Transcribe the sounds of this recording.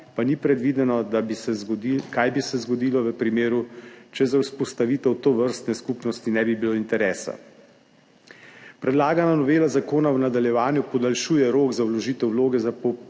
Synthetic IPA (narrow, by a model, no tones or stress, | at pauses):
panipɾɛd̪ʋiːd̪ɛnɔd̪abiɛikajbisɛzɡɔd̪iːlɔʋəpɾimeːɾut͡ʃɛzawspɔst̪aʋiːt̪ɛwt̪oʋəɾst̪nɛskupnɔst̪inɛbibiloint̪ɛɾɛːsa̰ | pɾɛd̪laːɡananɔʋeːlazakoːnawnad̪aljɛʋaːnjupɔd̪alʃuːjɛɾoːɡzawlɔʒiːt̪ɛwloːɡɛzapɔ